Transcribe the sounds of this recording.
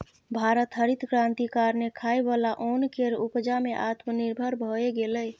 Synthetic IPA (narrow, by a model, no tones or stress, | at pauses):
bʱaɾət̪ɦəɾit̪kɾãnt̪ikaɾnekʰaebalaʔonkeɾupd͡ʒameʔat̪məniɾbʱəɾbʱoeɡeləj